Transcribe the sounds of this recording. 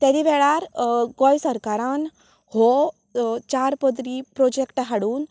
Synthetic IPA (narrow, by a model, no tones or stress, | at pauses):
t̪aɾiʋɛɭaɾɡɔjsəɾkaɾãn | hɔ | t͡ɕaɾpəd̪ɾipɾɔd͡ʑekʈɦaɽuːn